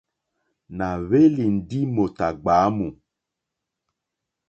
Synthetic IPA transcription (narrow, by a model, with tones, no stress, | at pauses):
na˨βe˦li˨n̩˨di˦mo˨ta˨ɡ͡ba˨˦mu˨